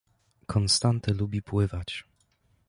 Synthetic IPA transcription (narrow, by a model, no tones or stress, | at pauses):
kʰɔnst̪ant̪ɛlubʲipwɘvat͡ɕ